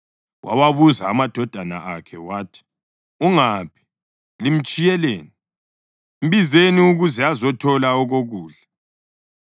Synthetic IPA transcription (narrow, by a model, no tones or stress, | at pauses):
wʔa̰waβuzaːmad̥ʱɔd̥ʱana̰ʔakʰɛwaːtʰi̥ | uŋaːpʰi̥ | lim̩t͡ʃʼijɛleːni | m̩βizeniuɣuzɛazɔtʰɔlaɔɣoɣuːɮɛ